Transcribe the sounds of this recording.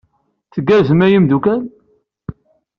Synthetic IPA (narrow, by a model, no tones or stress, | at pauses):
θəɡːæɾzəmæjimd̪ukæn